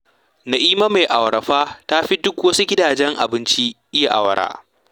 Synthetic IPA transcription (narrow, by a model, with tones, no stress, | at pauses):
na˨ʔiː˦ma˦ma˨jʔa˨wɾɐ˨ɸaː˦ta˦ɸi˦dʊ˦kwɐ˦su˦ɡʲɪ˦daː˨d͡ʒɛ˦ŋʔa̰˨bɪ˦nt͡ʃi˦ʔɪ˦ja˨ʔa̰˨wɐ˨ɾa̰ː˦